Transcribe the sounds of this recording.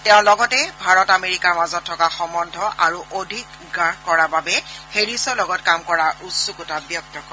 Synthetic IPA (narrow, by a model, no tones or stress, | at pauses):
tɛʊ̃lɔɡɔtɛbʱaɹɔtameɹikaɹmazɔtʰːɔkaxɔmɔndʱɔʔaɹuʔodʱik | ɡakɔɹababɛxeɹisɔlɔɡɔtkamkɔɹaʔusukutabjɔk̚tɔkɔ